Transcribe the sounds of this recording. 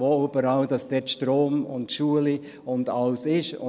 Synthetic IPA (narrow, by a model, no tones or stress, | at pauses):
oːyb̥əɾɑʊd̥ɑsd̥ɛtʃtɾoːmʊ̰ntʃuəli | ʊndɑlsɪʃʊ̰